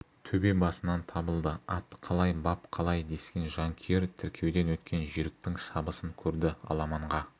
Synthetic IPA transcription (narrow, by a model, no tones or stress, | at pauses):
t̪ʰɵbe̞bɑsənɑnt̪ʰɑbəlˠd̪əɑt̪ːqʰɑlˠɑjbɑpqʰɑlˠɑjd̪e̞skʲe̞nʒɑŋkʲʰeɾt̪ʰʏɾkʲʰe̞wd̪e̞nwɵt̪kʲe̞nʒiɾɪk̚t̪ɪŋʃɑbəsəŋkʲʰɵɾd̪ɪɑ̰lˠɑmɑɴʁɑ